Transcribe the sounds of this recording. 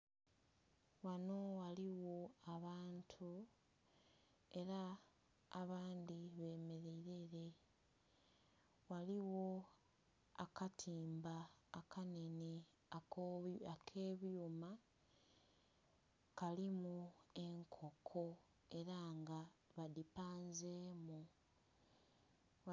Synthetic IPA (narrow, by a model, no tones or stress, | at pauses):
wano̞waliwo̞aβaːntʰu | e̞ɾaː | βaːndiβe̞ːme̞ɾeiɾe̞ɾe̞ | waliwo̞ | akatʰiːmbaːkʰane̞ni | aakʰe̞ːβjuma | kalimue̞ŋkʰo̞kʰo̞ | e̞ɾaŋɡaβadipaːnzeːmu